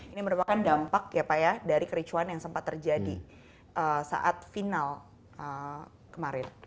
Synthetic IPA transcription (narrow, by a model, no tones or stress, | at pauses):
iniməɾupakandampak̚japajadaɾikəɾit͡ʃuanjaŋsəmpat̪ːərd͡ʒadi | ʔəsa̰ʔat̪̚final | ə | kəmaɾɪn